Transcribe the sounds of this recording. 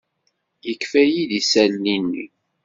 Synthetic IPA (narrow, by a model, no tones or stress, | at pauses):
jəkːfæjiðisælːinːḭ